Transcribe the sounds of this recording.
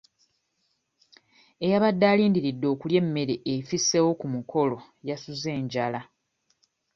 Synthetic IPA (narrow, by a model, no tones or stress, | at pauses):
e̞jaβadːaːliːndiɾidːo̞ːkulje̞mːe̞ɾeʔefisewo̞kumukʰo̞lo̞ | jasuze̞ːɲɟala